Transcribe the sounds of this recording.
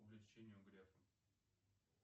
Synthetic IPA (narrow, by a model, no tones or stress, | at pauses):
ʊvlʲɪt͡ɕenʲɪjʊɡɾʲefəm